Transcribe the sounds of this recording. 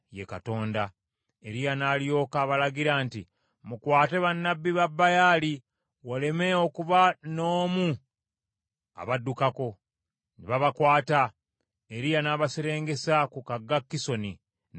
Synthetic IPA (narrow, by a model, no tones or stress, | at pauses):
jekato̞ːnda | e̞ɾijanaːljo̞ːkaβalaɡiɾaːnti | mukwaːte̞βanːabːiβabːajaːli | wale̞me̞okuβano̞ːmu | a̰βadːukako̞ | niβaβakwaːta | eɾijanaːβaseɾe̞ːŋɡe̞sakukaɡːakːiso̞ni